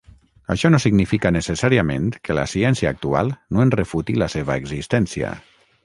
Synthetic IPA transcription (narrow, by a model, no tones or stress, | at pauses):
a̰ʃɔnosiɡnifikanesesaɾiamḛnt̪kəla̰siɛnsia̰ːk̚t̪ua̰lˠnoenrefut̪ilaseβ̞aeɡzist̪ɛnsiə̰